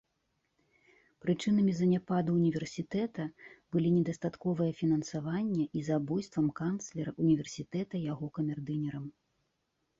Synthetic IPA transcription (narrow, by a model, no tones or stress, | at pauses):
pɾɨt͡ʂɨnɐmʲizɐnʲapad̪uːnʲivʲɛrsʲit̪ɛt̪ɐb̥ɨlʲinʲɛd̪ɐst̪at̪kɔvɨjɐfʲinɐnsavanʲːɛʔizabɔjst̪vɐmkanslʲɛɾɐunʲivʲɛrsʲit̪ɛt̪ɐjaɣɔkɐmʲɛrd̪ɨnʲɛɾɐm